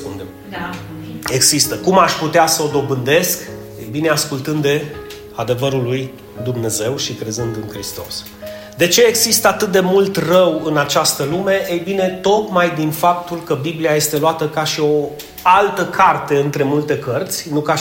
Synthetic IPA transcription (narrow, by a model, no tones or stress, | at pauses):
pund̪em | e̞ɡsist̪əkumaʃʲput̪easəod̪o̞bɨnd̪e̞sk | ḛjbine̞askult̪ɨnd̪e̞ | ad̪e̞vəɾuluj | d̪umne̞ze̞wʃikɾe̞zɨnd̪ɨnkɾist̪o̞s | d̪e̞t͡ʃe̞ːɡsist̪əat̪ɨt̪̚d̪e̞mult̪rəwɨnat͡ʃast̪əlume̞ʔejbine̞t̪o̞t̪majd̪infap̚t̪ulkəbibliaje̞st̪e̞loat̪əkaʃio̞ | alt̪əkʰart̪e̞ɨnt̪ɾe̞mult̪e̞kərt̪sʲnuka